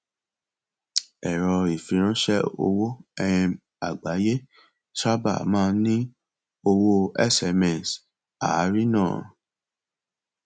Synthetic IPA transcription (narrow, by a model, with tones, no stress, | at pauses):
ɛ˨ɾɔ˧i˨fĩ˨˧ɾ̃ã˦ʃɛ˦o̰˧wo˦ɛ̃˧ | a˨ɡ͡ba˨˦je˦ | ʃa˦ba̰˦˨mãː˦˧nĩ˦ | o˧wo˦ɛ̰˦˨sɛ˨˧mɛ̃˨s | a̰˨˦ɾi˦nãː˦˨